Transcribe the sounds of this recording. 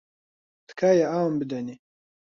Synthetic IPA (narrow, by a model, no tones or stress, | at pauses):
t̪kajaaːwmbid̪ani